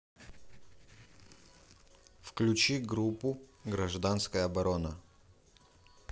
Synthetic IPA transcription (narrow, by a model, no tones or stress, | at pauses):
fklʲʉt͡ɕiɡɾupːʊɡɾɐʐd̪anskəjəɐbɐɾonə